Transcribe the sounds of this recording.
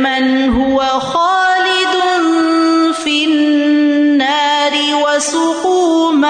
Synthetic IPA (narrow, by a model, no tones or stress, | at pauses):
manɦʊwaxaːlɪd̪ʊn | finnːaːɾɪwasʊquːma